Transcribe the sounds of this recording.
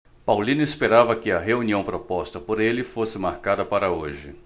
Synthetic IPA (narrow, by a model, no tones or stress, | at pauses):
pawlĩnʊespeɾavɐkɪɐɦeuniɐ̃w̃pɾopɔst̪ɐpoɾelɪfosɪmaɾkad̪ɐpaɾɐoʒɪ̰